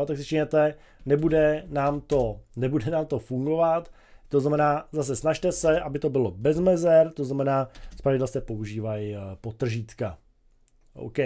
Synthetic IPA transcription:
ot̪aksɪt͡ʃɛɲɛt̪ɛ | nɛbudɛnaːmt̪o̞nɛbudɛnaːmt̪o̞fuŋɡo̞vat̪ | t̪oznamɛnaːzas̬ɛsnaʃt̪ɛsɛʔabɪt̪o̞bɪlo̞bɛzmɛzɛɾt̪o̞znamɛnaːspɾavɪdɛlst̪ɛpo̞uʒiːvajpot̪r̩ʒiːt̪ka | ʔo̰wkɛ

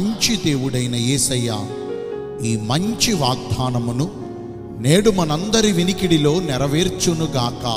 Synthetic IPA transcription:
ɲt͡ʃid̪e̞ːʋuɽɐjnɐeːsɐja̰ː | iːmɐɲt͡ʃiʋaːɡ̚d̪ʱaːnɐmunu | neːɽumɐnɐnd̪ɐɾiʋinikiɽilo̞ːnɛɾɐʋeːɾt͡ʃunuɡaːkɐ

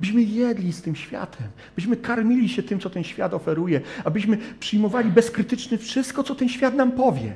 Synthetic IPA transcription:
abɘɕmɘjɛd̪lʲist̪ɘmɕfʲja̰t̪ʰɛmabɘɕmɘkaɾmʲilʲiɕɛt̪ɘmtsɔt̪ɛnɕfʲja̰t̪ɔfɛɾujɛabɘɕmɘpʂɘjmɔvalʲibɛskɾɘt̪ɘt͡ʂnɘfʂɘst̪̚kɔt̪ɔt̪ɛnɕfʲjat̪nampɔvʲjɛ̰

